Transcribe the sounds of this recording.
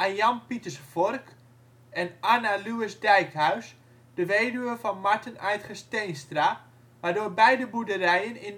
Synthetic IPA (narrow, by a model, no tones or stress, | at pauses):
ʔajɑnpitəsfɔrk | ɛnanaluɪsdɛjkɦœɥs | d̥əʋeːjdyʋəfɔnmaɹtənœjtχəstejnstra | ʋaːɹdoːɹbɛjdəbudərɛjənɪn